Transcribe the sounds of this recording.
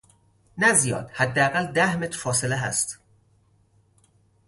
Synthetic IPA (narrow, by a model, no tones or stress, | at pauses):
næzijɒ̰ːd̪̥hæd̪ːeæɣæld̪æhmet̪ʰɾ̥fɒːse̞leɦæ̰st̪